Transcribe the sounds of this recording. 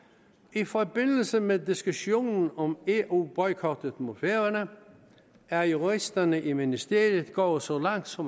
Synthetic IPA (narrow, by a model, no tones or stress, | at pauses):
ifɒ̽b̥e̝n̰l̩səmedisɡ̥uɕo̝̰ːnn̩ɒ̽meʔub̥ɒɪkʰɒd̥əð̥mofeɐɐnə | æɐjuʁisd̥ɐnəʔiminisd̥e̝ɐ̰jð̩ˠɡ̥ɒ̰ːsɒ̽lɑ̈ŋ̰d̥sɒ̽